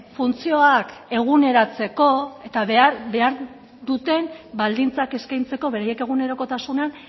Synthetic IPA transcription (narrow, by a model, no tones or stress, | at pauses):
funt͡sio̞ake̞ɣ̞une̞ɾat͡se̞ko̞e̞t̪aβeaɾbe̞aɾ | d̪ut̪e̞mbald̪int͡sake̞skajnt͡se̞ko̞βe̞ɾaje̞ke̞ɣ̞une̞ɾo̞ko̞t̪asunean